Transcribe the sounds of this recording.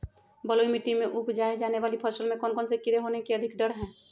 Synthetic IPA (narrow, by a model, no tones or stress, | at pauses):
bəloimiʈimẽʔupd͡ʒaːed͡ʒaːneʋaːlipʰəsəlmẽkɔːnkɔːnsekɪɾeɦonekeəd̪ʱɪkɖəɽɦɛ̃ː